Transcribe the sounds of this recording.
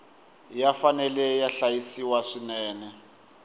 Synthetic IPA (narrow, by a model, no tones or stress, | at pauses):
jafanɛlɛjaɬajisiwaʂinɛːnɛ